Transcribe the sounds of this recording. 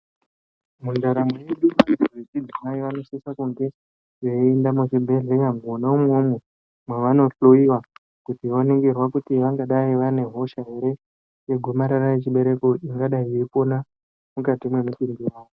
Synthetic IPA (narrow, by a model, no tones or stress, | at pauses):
mundaɾamwojeɗumaret͡ʃid͡zimaiʋano̞sisakuŋɡe̞ | ʐeiendamwet͡ʃibʱe̞ɮekamonaumomo | mwaʋano̞ɬuiwa | kutiʋoneŋɡerwakutiʋaŋɡaɗaiʋane̞ɦo̞ʃaɦe̞ɾe̞ | jeɡʱumaɾaraje̞t͡ʃiɓe̞ɾe̞koiŋɡaɗaiiripo̞na | mukatimwe̞mutindiraːjo